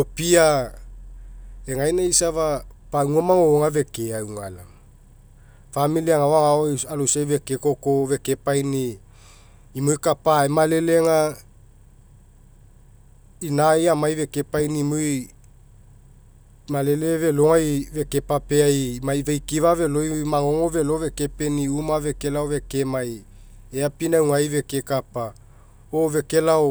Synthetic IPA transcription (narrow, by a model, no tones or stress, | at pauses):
lopia | eŋajnaisavapauŋamaŋoːŋave̞keawŋa̰la | familiaŋaoaŋaalosajve̞keko̞kove̞ke̞pajniː | mojkapaemale̞le̞ŋa | inajamajve̞ke̞pajnimoj | male̞le̞ve̞loŋajve̞ke̞papeajmaivajkivave̞lojmaŋo̞ŋo̞ve̞lo̞ve̞ke̞pe̞niumave̞ke̞laove̞ke̞maj | eapinawŋajve̞kekapa | ove̞ke̞lao